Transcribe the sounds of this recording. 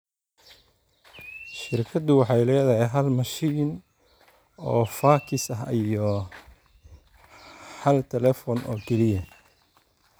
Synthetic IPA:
ʃɪrkʰɐd̪ʊwɑħɑjlɛːðɐɦɛjɦɐlmɐʃiːn | ɔːfaːkʰɪsɐɦijɔ | hɐlt̪ʰɛlɛːfɔːnʔɔ̰ːkʰɛlɪjɐ

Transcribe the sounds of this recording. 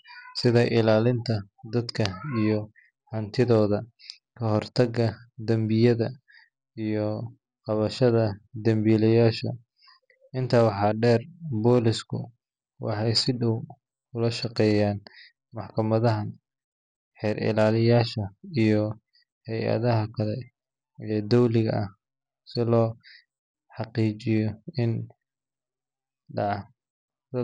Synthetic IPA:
sɪðɐʔɪlaːlɪnt̪ʰɐ | d̪ɐd̪kʰɐijɔ | hɐnt̪ʰɪðɔːðɐ | kʰɐɦɔrt̪ʰɐɡɐd̪ɐmbɪjɐðɐ | ijɔ | qɑβɐʃɐðɐd̪ɐmbilɛjaːʃɐ̰ | ɪnt̪ʰɐwɑħɑːɖɛːrbɔːlɪskʰʊ̰ | wɑ̰ħɑjsɪɖɔw | ʊlɐʃɑqɛːjaːn | mɑħkʰɐmɐðɐɦɐn | ħɛːɾɪ̰laːlɪjaːʃɐijɔ | hɛjɐ̰ðɐɦɐkʰɐlɛ | iɔd̪ɔwlɪɣɐ̰ɐh | sɪlɔː | ħɑqiːt͡ʃɪjɔɪn | ɖɑʕ

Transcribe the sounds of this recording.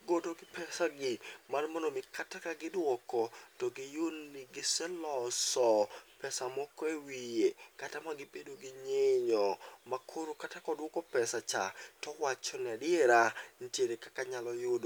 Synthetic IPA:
ɡodoɡɪpɛsaɡɪmanmɔnomɪkatakaɡɪdwɔkɔtɔɡɪjonːɪɡɪsɛlɔsɔpɛsamɔkɔewijekatamaɡɪbedoɡɪɲeɲɔmakʰoɾokatakɔdwɔkɔpɛsat͡ʃa̰tɔwat͡ʃɔnɪadɪeɾan̩tjeɾekakaɲalɔjodo

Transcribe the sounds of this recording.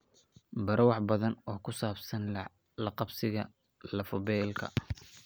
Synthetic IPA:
bɐɾʔwɑħbɐðɐnɔːkʰʊsaːbsɐn | lɐqɑbsɪɣɐ | lɐfɔbɛːlkʰɐ̰

